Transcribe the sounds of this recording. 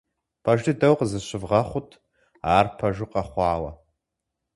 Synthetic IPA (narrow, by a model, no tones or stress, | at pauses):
pʰɐʒɨdɐwqzɨɕɪvʁɐχʷʊtʰ | aːrpʰɐʒɪqɐχʷɑːwɐ̰